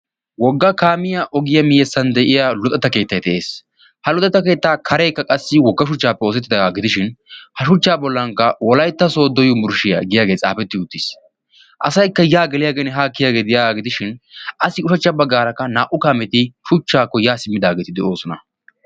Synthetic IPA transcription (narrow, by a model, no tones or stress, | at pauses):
wɔɡːɐkaːmɪjaʔɔɡɪjɐmɪjɛsːɐnd̪ɛʔɪjaːlɔt̪ʼɛt̪ːɐke̞ːt̪ːɐjt̪ɛʔe̞ːs | hɐlʊt̪ʼɛt̪ːɐke̞ːt̪ːaːkʰɐɾɛjkːɐkʼɐsːɪwɔɡːɐʃʊt͡ʃːaːpːɛoːs̬ɛt̪ːɪd̪ɐaːɡɪd̪ɪʃɪnhɐʃʊt͡ʃːaːbɔlːɐŋkːɐwɔlɐjt̪ːɐsoːd̪ɔjʊmʊɾʃɪja̰ɡɪjaːɡeːt͡sʼa̰ːfɛt̪ːɪʊt̪ːɪs | ʔɐsɐjkːɐjaːɡɛlɪjaːɡenɛɦaːkːɪjaːɡeːd̪ɪjaːaɡɪd̪ɪʃɪnʔɐsɪʊʃɐt͡ʃːɐbɐɡːaːɾɐkːɐnaːʔʊkaːmɛt̪ɪʃʊt͡ʃːaːkːɔjaːsɪmːɪd̪aːɡeːt̪ɪd̪ɛʔo̞ːsɔnɐ̰